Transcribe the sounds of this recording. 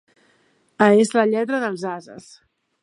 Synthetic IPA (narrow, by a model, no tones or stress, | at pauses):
əezləʎɛt̪ɾəðəlˠzazə̰s